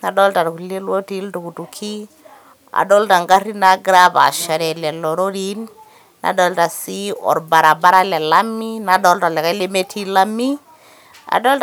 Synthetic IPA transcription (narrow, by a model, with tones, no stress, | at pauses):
na˨ɗɔ˦lta˨tku˨le˦lwo˦ti˦ltu˨ku˨tu˨kʰi˦ | a̰˨ɗɔ˦lta˨ŋɡa˦ri˦na˨ɡɾa˦pa̰˨ʃa˨ɾɛ˨lɛ˨lɔ˨ɾo˦ɾi˦nː | ʔa̰˨dɔ˦lta˨si˦ɔ̰˨ɾba˨ɾa˨ba˦ɾa˦lɛ˨la˦mi˦na˨ɗɔ˦lta˨lɛ˨ka˦le˦me˦tʰi˦la˦mi˦ | a̰˨dɔ˦lt